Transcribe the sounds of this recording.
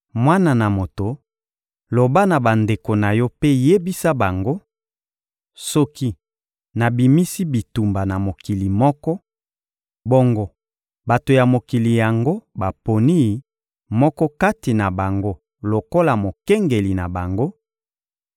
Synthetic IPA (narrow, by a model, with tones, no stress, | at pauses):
mwa˦na˨na˨mo˨to˨ | lo˨ba˦na˨ba˨nde˨ko˨na˨jɔ˦pe˦je˦bi˦sa˦ba˨ŋɡo˦ | sɔ˦ki˦ | na˨bi˨mi˦si˦bi˨tu˨mba˨na˨mo˨ki˨li˨mɔ˦kɔ˦ | bɔ˦ŋɡɔ˦ | ba˨to˨ja˨mo˨ki˨li˨ja˨ŋɡo˦ba˨po˨ni˦ | mɔ˦kɔ˦ka˦ti˨na˨ba˨ŋɡo˦ | lo˨ko˦la˨mo˨ke˦ŋɡe˨li˨na˨ba˨ŋɡo˦